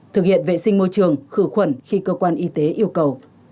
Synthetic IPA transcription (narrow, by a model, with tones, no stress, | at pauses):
t̪ʰɨ˨˩k̚hḭ˧˨ənvḛ˧˨sï˧ŋ̟mo˧jt͡ɕɨ˨˩əŋxɨ˧˩xwə˨˩nxi˧kəː˧kwaː˧nʔi˧t̪e˨˦ʔi˧əwkə˨˩w